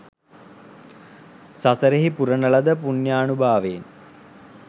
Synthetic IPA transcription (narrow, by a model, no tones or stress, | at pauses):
sasəɾeɦipuɾənələd̪əpunjaːnubʱaːʋeːn